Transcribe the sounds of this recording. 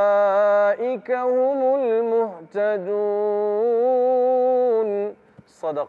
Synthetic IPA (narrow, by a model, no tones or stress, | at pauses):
aːʔɪkahʊmʊlmʊht̪ad̪u | n | sˤɑd̪ɑq